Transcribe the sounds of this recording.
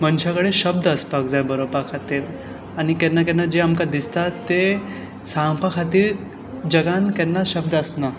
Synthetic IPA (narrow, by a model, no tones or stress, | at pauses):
mənt͡ɕʰakəɽeɕəb̚d̪əspak̚d͡zajbəɾobakʰat̪iːɾ | aɽ̃ikɛnːakɛnːad͡ʑeamkad̪ist̪at̪ːe | sãŋpʰakʰat̪iːɾ | d͡ʑəɡankɛnːaɕəb̚d̪əsna